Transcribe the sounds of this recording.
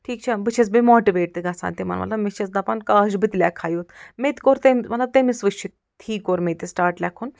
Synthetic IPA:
ʈʰiːk̚t͡ʃʰɛbɨt͡ʃʰet͡sbimɔːʈiʋeːʈ̚t̪ɨɡɐsa̰ːnt̪imɐ̰nmɐ̰t̪lɐbmit͡ʃʰɐt͡sd̪ɐpɐnkaːʒbit̪lʲɛkʰaːjut̪met̪koɾt̪emmɐt̪lɐb̚t̪emisʋɨʃʰit̪ | t̪ʰiːkːoɾmet̪isʈaːɾʈlʲɛːkʰun

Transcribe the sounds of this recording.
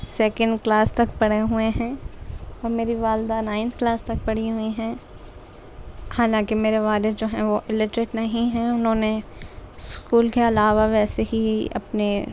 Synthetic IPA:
sɛːkə̃ɳɖklaːst̪ɐkpɐɽeɦueɦɛ̃ːɔːɾmeːɾiʋaːld̪anãːɪ̃nt̪ʰklaːst̪ɐk̚pɐɽ̤iɦʊiɦɛ̃ː | haːlãːkemeːɾeʋaːlɪd̪d͡ʒoːɦɛ̃ʋoʔɪlɪʈɾɪʈnɐɦĩɦɛ̃ʊnɦõːne | skuːlkeɐlaːʋaʋɛːseɦiɐ̰pne

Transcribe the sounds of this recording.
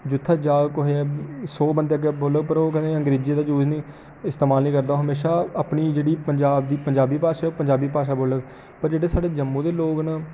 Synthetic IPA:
d͡ʒʊt̪ʰːaːd͡ʒaːɡkoɦeːɛːsoːbənd̪eːəɡeːboːləɡpəɾoːkɛneəŋɡɾeːd͡ʒiːd̪aːd͡ʒuːd͡ʒnĩː | ɪst̪eːmaːlnĩːkəɾd̪aːoːɦəmeːʃaːəpniːd͡ʒeːɽiːpəɲd͡ʒaːbd̪iːpəɲd͡ʒaːbiːpaːʃaːoːpəɲd͡ʒaːbiːpaːʃaːboːləɡ | pəɾd͡ʒeːɽeːsaːɖeːd͡ʒəmːũːd̪eːloːknaː

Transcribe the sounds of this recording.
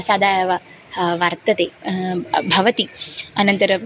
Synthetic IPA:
saːd̪ʱaːjɐʋɐ | ʋɐɾt̪ɐt̪eː | bʱɐʋɐt̪iɐnɐnt̪ɐɾɐ

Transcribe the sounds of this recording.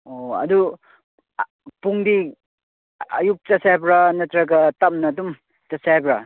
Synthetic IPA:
oɐ̰du | puŋdi | ɐ̰juk̚t͡ʃasajbɾanɐtɾaɡɐtap̚nɐdum | t͡ʃasajbɾa

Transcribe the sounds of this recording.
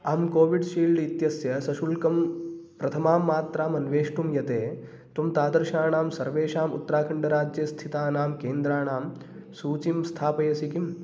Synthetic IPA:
aːmkoːʋiɖʃiːlɖit̪jɐsjɐsɐʃulkɐmpɾɐt̪ʰɐmaːmːaːt̪ɾaːmɐnʋeːʂʈumjɐt̪eː | t̪umt̪aːd̪ɐɾʃaːɳaːmsɐɾʋeːʃaːmṵt̪ːɾaːkʰɐɳɖɐɾaːd͡ʒjɐst̪ʰit̪aːnaːmkeːnd̪ɾaːɳaːm | suːt͡ʃimst̪ʰaːpɐjɐsikim

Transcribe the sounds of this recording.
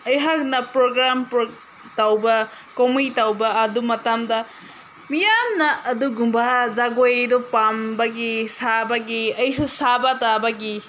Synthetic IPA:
ɐjɦak̚nɐpɾoɡɾampɾo | tawbɐ | komijtawbɐɐdumɐtamdɐ | mijamnɐʔːduɡumbɐzaɡojdɔpambɐɡisabɐɡiɐjsusabɐtabɐɡi

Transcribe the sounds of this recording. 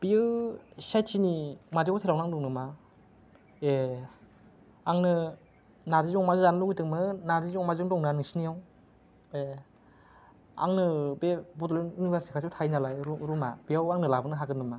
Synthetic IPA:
b̥iɯsajtʰinimaɾiawtʰeɾawnaŋduŋnɯma | e | aŋnɯ | naɾizŋmazɯzanɯlɔɡitɯŋmɯnaɾizɔmazɯŋdɔŋnanɯŋsinijaw | e | a̰ŋnɯbebɔtlnunibaɾsikʰasɔwtʰajnalajɾumabiawaŋnɯlabɯnɯɦaɡɯnɯma

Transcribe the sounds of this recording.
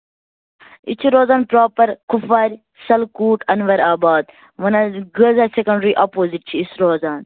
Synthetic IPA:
ḭt͡ʃʰiɾoːzaːnpɾoːpɐɾkufɐɾʲ | sɐlkuːʈɐnʋɐɾaːbaːd̪ | ʋɐnɐɡəzɐsekɐ̃ɳɖɾiʔapoːziʈ̚t͡ʃʰiːsɾoːzaːn

